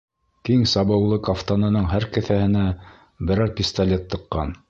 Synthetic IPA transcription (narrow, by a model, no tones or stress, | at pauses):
kiŋsɑbɤ̆wlˠɤkaft̪onɤ̆nɤɴɦæɾkɘ̆θæhɘ̆næ | bɘ̆ɾæɾpʲist̪alʲet̪ːɤ̆qːɑn